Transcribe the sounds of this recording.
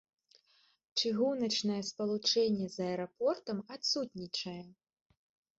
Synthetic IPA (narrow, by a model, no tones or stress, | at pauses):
t͡ʂɨɣunɐt͡ʂnɐjɛspɐlˠut͡ʂɛnʲːɛzɐɛɾapɔrt̪ɐmat̪sut̪ʲnʲit͡ʂɐjɛ